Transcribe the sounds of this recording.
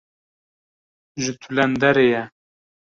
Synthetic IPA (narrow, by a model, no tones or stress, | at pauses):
ʒɨt̪ʰulɛnd̪ɛɾejɛ